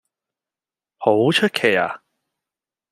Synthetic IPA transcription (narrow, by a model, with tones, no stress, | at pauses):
ho˨˥wt͡ʃʰɵ˥t̚kʰe˨˩ja̰ː˨˩